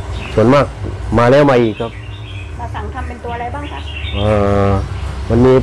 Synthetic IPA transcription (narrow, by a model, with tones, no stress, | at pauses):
su˨˦ənmaː˥˩k̚maː˧lɛː˧˥˩wmaː˧ʔiː˨˩kʰːa˦˥˩p̚ | a˧a˨˦ŋt̪ʰa˧mpe˧nt̪u˧ɐ˧a˧jbaː˥˩ŋkʰa˦˧˩ʔɤː˧˩ | ma˧nmiː˧